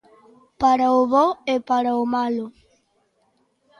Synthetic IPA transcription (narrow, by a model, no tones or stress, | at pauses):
paɾaʊβɔepaɾaʊmalʊ